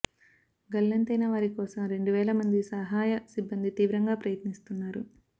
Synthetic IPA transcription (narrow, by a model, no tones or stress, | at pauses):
ɡɐlːɐnt̪ɐjnɐʋaːɾikɔːsɐmɾe̞ɳɖuʋɛːlɐmɐnd̪isɐɦaːjɐsibːɐnd̪it̪iːʋɾɐŋɡaːpɾɐjɐt̪nist̪unːaːɾu